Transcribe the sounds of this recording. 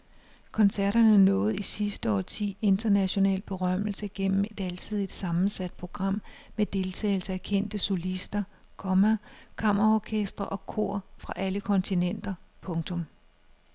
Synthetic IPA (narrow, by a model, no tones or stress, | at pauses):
kʰɒ̽nsæɐɾ̥ɐnənɔ̽ːð̩ˠisisd̥əɒ̰ːt͡sʰḭːe̝nd̥ɐnæɕo̝nɛ̰ːlb̥e̝ʁɶm̰l̩səɡ̥en̰m̩e̝d̥ælt͡sʰið̞̰ˠid̥sɑ̈mn̩sæd̥̚pʰʁo̝ɡ̥ʁɑ̈m̰med̥e̝lt͡sʰɛ̰ːɪl̩səækʰen̰d̥əso̝lisd̥ɐ | kʰɒ̽mækʰɑ̈m̰ɐʁɐɒːkʰesd̥ʁɐʔɒ̽kʰo̝ɐ̰fʁɑ̈ʔæləkʰɒ̽nt͡sʰinen̰d̥ɐpʰɔ̽ŋt͡sʰɔ̽m